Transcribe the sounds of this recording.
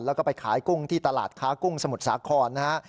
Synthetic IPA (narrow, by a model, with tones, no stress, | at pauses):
nlɛː˦˥wkɔː˥˩pa˧jkʰa̰ː˩˦jku˥˩ŋt̪ʰiː˥˩t̪a˧la̰ː˨˩t̪̚kʰaː˦˥ku˥˩ŋsa˧mu˨˩t̪̚sa̰ː˩˦kʰɔː˧nːa˦˥ha˦˥ʔ